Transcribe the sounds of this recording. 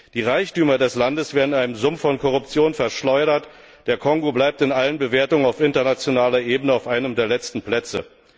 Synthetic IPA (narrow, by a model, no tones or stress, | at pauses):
d̥iːʁaɪçtyːmɐdɛslandəsv̥eːɐdn̩aɪnəmzʊmfːɔnkʰɔʁʊpt͡sjoːnfɛɐʃlɔʏɾɐt | d̥eːɐkʰɔŋɡoblaɪp̚tɪnʔalənbəveːɐtʊŋənaʊfɪntɐnat͡sjonaːlɐʔeːbənəaʊfʔaɪnəmdeːɐlɛt͡stn̩pl̥ɛt͡sə̰